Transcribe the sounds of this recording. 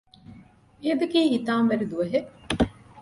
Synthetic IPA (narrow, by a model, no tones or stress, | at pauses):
ed̪ɐkiːhit̪aːmʋɐɾid̪uʋɐɦeʔ